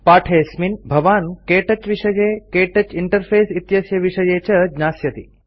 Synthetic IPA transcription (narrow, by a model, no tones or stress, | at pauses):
paːʈʰeːsminbʱɐʋaːnkeːʈɐt͡ʃʋiʂɐjeːkeːʈɐt͡ʃiɳʈɐɾpʰeːsit̪jɐsjɐʋiʃɐjeːt͡ʃɐd͡ʒnaːsjɐt̪ḭ